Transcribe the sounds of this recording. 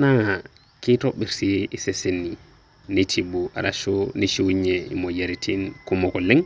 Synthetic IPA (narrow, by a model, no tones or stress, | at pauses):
naŋa | kitoɓiɾsiisesenːi | nitʰibuʔa̰ɾaʃɔniʃuɲɛḭmɔɟaɾitʰinkumɔkɔlɛŋ